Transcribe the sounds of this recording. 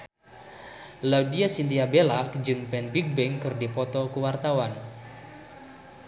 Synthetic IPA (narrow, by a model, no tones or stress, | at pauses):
laudiasint̪iabelaʔkd͡ʒɨŋpɛnbik̚bɛŋkɨrdipɔt̪ɔkuwart̪awan